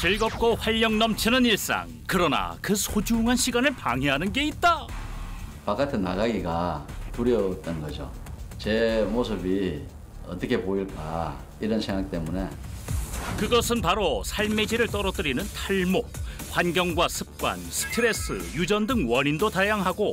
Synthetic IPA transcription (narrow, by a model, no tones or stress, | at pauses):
t͡ɕiɭɡʌp̚k͈oɸwaʎːʌŋnʌmt͡ɕʰinɯniɭs͈a̰ŋkɯɾʌna̰kɯsʰod͡ʑuŋɦanɕʰiɡanɯɭpaŋɦeɦanɯnɡe̞it̚t͈a | pak͈atʰɯna̰ɡaɡiɡapuɾjʌt͈ʌnɡʌd͡ʑo | t͡ɕe̞mosʰɯbi | ʌt͈ʌkʰe̞poiɭk͈a̰ | iɾʌnsʰeŋak̚t͈emune̞ | kɯɡʌsʰɯnpaɾosʰaɭme̞d͡ʑiɾɯɭt͈ʌɾʌdɯɾinɯntʰaɭmo | ɸwanɡjʌŋɡwasʰɯp̚k͈wa̰nsʰɯ̥tʰɯɾe̞s͈ʰɯjud͡ʑʌndɯŋwʌnindotajaŋɦaɡo